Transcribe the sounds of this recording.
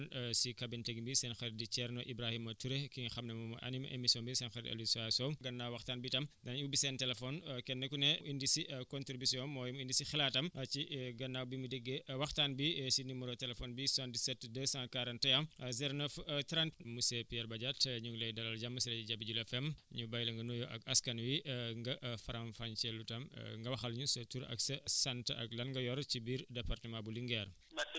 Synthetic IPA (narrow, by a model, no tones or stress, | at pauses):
nsikɐbintɛɡimbisɛnxɐɾdit͡ʃɛrnɔʔibɾahimɐtuɾekiɲxɐmnɛmumɐ̰ʔɐ̰nimɐʔḛmisiɔːnbisɛnxɐɾɐ̰lisɔasɔɡɐnːawwɐxtaːnbitɐmdɐnɐubisɛntɛlɛfɔnkɛnːɛkunɛʔindisikɔntɾibisiɔ̃nmɔːjimindisixilaːtɐmt͡ʃiɡɐnːaːwbimudɛɡːewɐxtaːnbisinimuɾɔtɛlɛfɔːnbisãːndisɛtdəsãːkaːɾɐntɛjamzɛɾnəftɾantmusɛpiɛɾbɐɟatɲuŋɡlɛjdɐlɐlɟɐmːɐsilɐiɟɐbiɟulɛfɛmɲubɐjlɐŋɡɐnujɔʔɐ̰kɐskɐnwiŋɡɐʔfɐɾanfant͡ʃɛlutɐm̰ŋɡɐwɐxɐlɲusɐtuɾɐ̰ksɐsɛntɐ̰k̚lɐnɡɐjɔɾcibiːɾdɛpartəmãbuliŋɡɛɾ